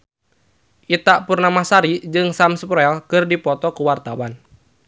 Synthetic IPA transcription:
ʔit̪aʔpurnamahsaɾid͡ʒɨŋsamspɾɔɛlkɨrdipɔt̪ɔkuwart̪awan

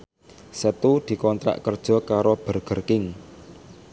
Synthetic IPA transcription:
sət̪ud̪̥i̤kɔnt̪ɾa̰ʔkərd̥ʒ̥ɔ̤kaɾob̥ə̤rɡ̥ə̤rkɪŋ

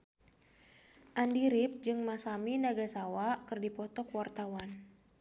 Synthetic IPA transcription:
ʔandiɾip̚d͡ʒɨŋmasaminaɡasawakɨrdipɔt̪ɔkwart̪awan

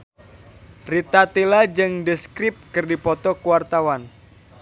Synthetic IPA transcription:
rit̪at̪ilad͡ʒɨŋdəskɾɪp̚kɨrdipɔt̪ɔkuwart̪awan

